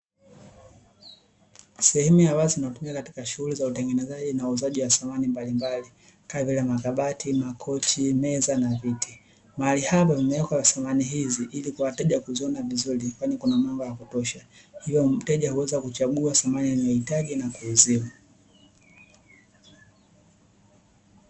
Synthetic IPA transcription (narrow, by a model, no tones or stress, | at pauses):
sɛhɛmujawazinatumiakati̥kaʃuhulizautɛŋɡɛnɛzaʄinauzaʄiwasamanimbalimbali | kavilamakaɓatimakʰɔt͡ʃimɛzanaviti | maalihapavimɛɛkaasamaniɦiziʔilikuwatɛʄakuziɔnavizulikwanikunamambɔjakutɔʃa | hivjɔm̩tɛʄahuwɛzakut͡ʃaɠuasamanijanajɔhitaɡinakuːzima